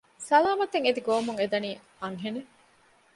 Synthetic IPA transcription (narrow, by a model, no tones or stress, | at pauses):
sɐlaːmɐt̪eŋed̪iɡoːmuŋed̪ɐniː | ɐŋɦene